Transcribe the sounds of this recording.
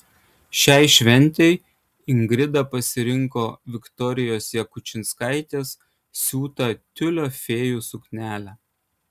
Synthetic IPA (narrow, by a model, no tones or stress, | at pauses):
ʃʲɛɪʃʲʋʲɛnʲˑt̪ʲɛɪ | ɪŋɡɾʲɪd̪ɐpɐsʲɪɾʲɪŋkoːʋʲɪkt̪ɔɾʲɪjoːsjɛkʊt͡ʃʲɪnskɐɪt̪ʲeːs | sʲuːt̪ɐt̪ʲʊlʲoːfʲeːjuːsʊknʲæːlʲæː